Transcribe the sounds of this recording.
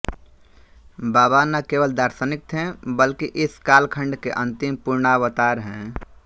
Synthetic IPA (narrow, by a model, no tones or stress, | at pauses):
baːbanəkewəld̪aɾsənik̚t̪ɦɛ̃bəlkiʔɪskaːlkʰəɳɖkeʔə̃nt̪impuɾɳawət̪aɾɦɛ̃